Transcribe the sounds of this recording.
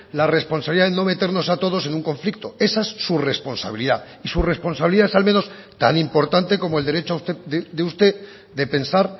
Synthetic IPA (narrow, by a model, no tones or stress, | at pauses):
lare̞spo̞nsaβiliðaðeno̞me̞t̪e̞ɾno̞sat̪o̞ð̞o̞se̞nũŋko̞ɱflikt̪o̞e̞saesːure̞spo̞nsa̰β̞iliða | isure̞spo̞nsaβiliðaesalmẽ̞no̞s | t̪a̰nĩmpo̞ɾt̪ant̪e̞ko̞moe̞ld̪eɾe̞t͡ʃoaust̪eððeust̪e̞ | ðe̞pe̞nsaɾ